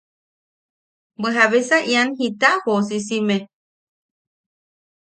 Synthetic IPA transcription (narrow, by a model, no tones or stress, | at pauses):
beɦaβesaʔianhit̪ahosis̬imẽ